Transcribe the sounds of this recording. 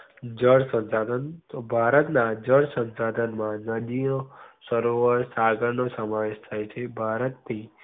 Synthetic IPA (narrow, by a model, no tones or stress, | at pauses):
d͡ʒəɽsə̃nsad̪ənbʱaɾət̪nad͡ʒəɽsə̃nsad̪ʱənmãnəd̪ijõsəɾoʋəɾsaɡəɾɳosəmaʋeʃt̪ʰajt͡ʃʰebʱaɾət̪t̪ʰi